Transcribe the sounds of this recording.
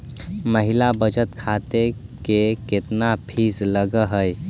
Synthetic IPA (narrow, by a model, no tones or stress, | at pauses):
məɦilabəd͡ʒət̪kʰat̪ekeket̪napʰisləɡəɦəj